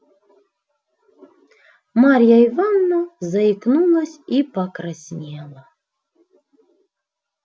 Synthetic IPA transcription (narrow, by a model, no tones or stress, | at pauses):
maɾʲjaivanːozaiknulˠɐsʲipakɾasʲnʲelˠɐ